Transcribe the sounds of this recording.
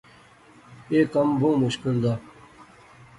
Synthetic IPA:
eːkɐmbõːmuɕkild̪aː

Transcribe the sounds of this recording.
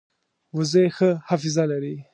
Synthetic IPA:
wəzəjxəhafɪzalaɾi

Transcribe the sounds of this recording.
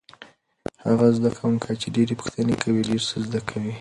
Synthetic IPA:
haɣazd̪akʰawuŋkʰajt͡ʃeɖeɾepʊ̥xt̪ənekʰawiɖeɾsəzd̪akʰawi

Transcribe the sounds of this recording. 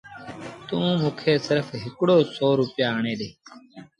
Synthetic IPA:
t̪ũːmũːkʰeːsɪɾfɦɪkɽoːsoːɾuːpjaːəɳẽːɗ̪eː

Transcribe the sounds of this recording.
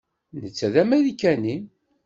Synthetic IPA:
nət͡sːæðæmæðikːænim

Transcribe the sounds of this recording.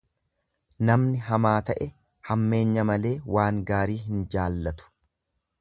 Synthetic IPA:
nɐmnɪɦɐmaːt̪ɐʔɛ | hɐmːe̞ːɲːɐmɐle̞ːwaːŋɡaːɾiːɦɪnd͡ʒaːlːɐt̪ʊ̥

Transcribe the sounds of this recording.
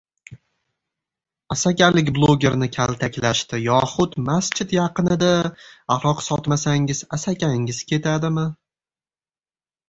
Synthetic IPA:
asakʲalɪk̬ʲblˠoɡʲe̞ɾnɪkʲʰalˠt̪ʰakʲlaʃt̪ɪjɒχʊt̪mast͡ʃʰɪt̪jɑqɨnɪd̪aaɾɒqsɒt̪masaŋɪz̥asakʲʰaŋɪzkʲʰe̞t̪ʰad̪ɪmɪ

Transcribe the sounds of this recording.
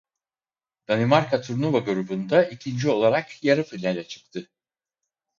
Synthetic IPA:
d̪̥animaɾkʰat̪ʰuɾnuvaɡuɾubund̪aʔicʰind͡ʒio̞lˠaɾakjaɾɯfilʲælʲɛt͡ʃʰɯ̥k̚t̪ʰɯ

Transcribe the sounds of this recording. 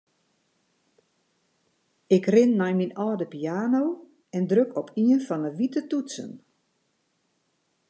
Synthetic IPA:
ɪkrɪnːɔjminɔːdəpiaːnow | ɛndrøkʰɔpʰiənfɔnəʋitətutsə̰n

